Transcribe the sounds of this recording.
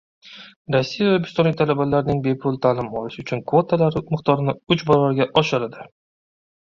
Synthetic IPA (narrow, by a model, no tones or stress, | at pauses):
ɾasːijavbɪst̪ɒnlɪk̚ʲt̪ʰalabalaɾnɪŋbe̞pʰʊlˠt̪ʰaːlɪmɒlɪʃʊt͡ʃʰʊnkvo̞t̪ʰalaɾɪmɨqt̪ʰɒɾɪnɪʊt͡ʃbaɾvaɾɡʲaʔɒʃɪɾad̪ɪ